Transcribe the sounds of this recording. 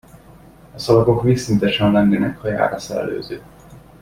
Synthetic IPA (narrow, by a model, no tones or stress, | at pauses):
ɒsɒvɒko̞kmisint̪ɛʃɛnlɛŋɡɛnɛkhɒja̰ːɾɒsɛlɛ̰lø̰ːzøː